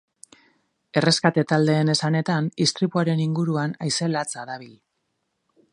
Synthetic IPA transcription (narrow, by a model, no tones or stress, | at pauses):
e̞re̞skat̪e̞t̪ald̪e̞ːne̞sane̞t̪anist̪ɾipuaɾe̞niŋɡuɾuanajse̞lat͡saðaβ̞il